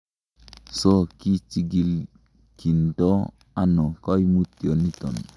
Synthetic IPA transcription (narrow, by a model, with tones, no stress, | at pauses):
sɔ˦ki˦t͡ʃi˨˦ɡi˨l | ki˨ntɔ˦ | a˦nɔ˨kɔ˦i˦mu˦ti˨o˨ni˦t̪ɔ̰˨n